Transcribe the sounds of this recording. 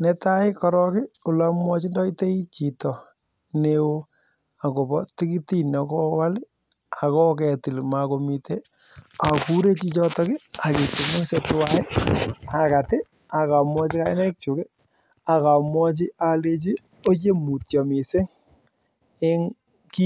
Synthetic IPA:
nɛ˦ta˦ɪ˦kɔ˦ɾɔ˦kɪ˦ʊ˨la˦mwɔ˦t͡ʃi˦ndɔ˦i˦te˦i˦t͡ʃi˨tɔ˨ | ne˦wo˦ | a˨ko˨bɔ˦tɪ˦ki˦ti˦nɔ˨kɔ˦wa˦lɪ˦ | a˨kɔ˦kɛ˨tɪ˨lma˨ko˨mi˨te˦ | a˨ku˦ɾe˦t͡ʃi˦t͡ʃɔ˦tɔ˦kɪ˦a˨kɪ˨tɪ˨mo˦se˧tʊ˦wa˦ɪ˦a˨ka˨tɪ˦ | a˨ka˨mwɔ˦t͡ʃɪ˦ka˦ɪ˦nɛ˦k̚t͡ʃu˨ke˦ | a˨ka˨mwɔ˦t͡ʃɪ˦ʔa˨le˦t͡ʃi˦ | o˦t͡ʃe˦mu˨tjɔ˨mɪ˨se˦ŋ | ɪ˦ŋ | ki˦

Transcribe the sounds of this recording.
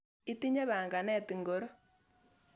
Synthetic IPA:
i˦ti˦ɲe˦βaː˨ŋɡa˨nɛ˦˨ti˨ŋɡo˨ɾo˦

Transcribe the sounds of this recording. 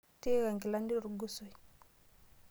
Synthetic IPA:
te˦ɣa˨ŋɡi˨la˦ndi˦˨ɾɡu˦so˨i˨

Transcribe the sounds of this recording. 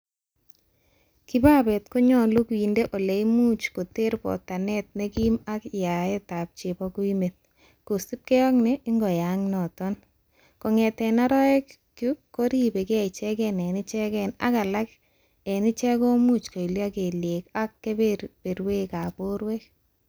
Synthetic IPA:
ki˦ba˦bɛ˨tko˦ɲɔ˦lu˦kwi˨ndeʔo˨le˨imu˦t͡ʃko˨te˦ɾpɔ̰ta˨nɛt̚ne˦ki˦ma˦kja˨e˦ta˨p̚t͡ʃe˨bɔku˦i˦me˨t̚ | ko˨si˦p̚ke˦ɔ˦knɛʔi˦ŋɡɔ˨jaŋnɔ˨tɔn | ko˨ŋɛ˨tɛ˨na˦ɾɔ˦ɛ˦k | kuko˦ɾi˦be˨keɛ˨it͡ʃɛ˦kɛnɛ˨ni˦t͡ʃɛ˦kɛna̰˦ka˨la˦k | e˨ni˦t͡ʃɛ˦ko˦mut͡ʃko˨i˨lja˦ke˨lje˨ka˦kːe˦bepe˨ɾwe˦ka˨poɾwek

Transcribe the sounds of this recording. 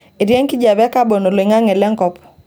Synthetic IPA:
e˨ɾje˦ŋki˦d͡ʒa˨bɛ˦ka˦bo˨no˨lŋa˦ŋɛ˨lɛ˦ŋkɔ˦pɔ̥˨

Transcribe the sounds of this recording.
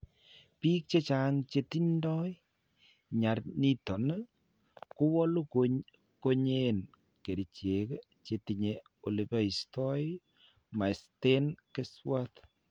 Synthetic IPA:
pi˦k̚t͡ʃe˦t͡ʃa˦ŋt͡ʃe˧ti˦ndɔ˦ | ɲa˨rni˦tɔ˨n | ku˦wɔ˦lu˦ko | ko˦ɲen | ke˨ɾi˨t͡ʃe˨k | t͡ʃe˨ti˨ɲe | o˨li˨ba˦i˨stɔ˦j | ma˨ste˦nke˦swa˦t

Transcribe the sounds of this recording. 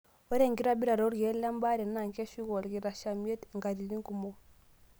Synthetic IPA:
o˦ɾe˦˨ŋɡi˦ɾa˦bi˦ɾa˨ɾo˦ɾɡe˨˦la˦mba˦ɾe˨n˦na˨ŋke˦ʃi˦ɣo˨lɡi˨ɾa˨ʃa˨mi˦e˦tŋɡa˨ɾi˨li˦ŋɡu˨mo˦

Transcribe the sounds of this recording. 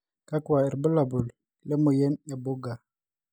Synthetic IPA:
ka˦kwa˨ɛ˨ɾbə˦la˨bu˨l | le˦mo˨jɛ˦nja˨bo˦ɡa˨

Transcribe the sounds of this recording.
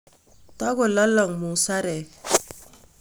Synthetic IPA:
ta˦ɡo˨lɔ˦lɔ˨ŋmu˨sa˦ɾɛ˨

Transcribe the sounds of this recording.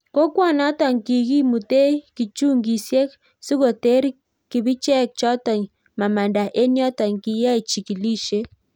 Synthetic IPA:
ko˦kwa˦˨na˦tɔ˨ŋki˨ki˦mu˨te˦ki˨t͡ʃu˦ŋɡi˨sje˦k | si˦ɣo˨te˦ɾi˦ | ki˨βi˦t͡ʃɛ˦k̚t͡ʃɔ˦tɔ˨ŋ | ma˨ma˨nda˨ʔe˦njɔ˦ta˨ŋki˨ja˦i˨t͡ʃi˨ki˨li˦ʃe˦

